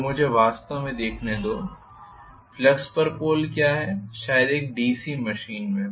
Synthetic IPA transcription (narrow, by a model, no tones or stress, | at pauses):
mʊd͡ʒʱeʋaːst̪amẽd̪eːkʰned̪oː | flɐkspɐɾpoːlkjaːɦɛʃaːjəd̪eːk̚ɖiːsimɐʃiːnmẽ